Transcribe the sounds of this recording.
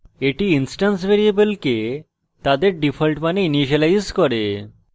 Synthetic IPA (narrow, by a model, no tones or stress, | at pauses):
eʈiinsʈansbʱeɾiebelke | t̪ad̪eɾɖipʰɔlʈmaneiniʃ̬alajzkɔɾe